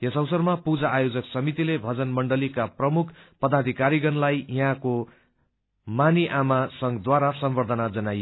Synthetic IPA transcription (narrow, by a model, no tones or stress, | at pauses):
jesʌwsʌrmapud͡zaːjod͡zʌksʌmit̪ilebʱʌd͡zʌnmʌɳɖʌlikaprʌmukʰpʌd̪ad̪ʱikaɾiɡʌnlajiɦãko | maniʔamasʌŋɡd̪waɾasʌmbʌrd̪ʱʌnad͡zʌnaj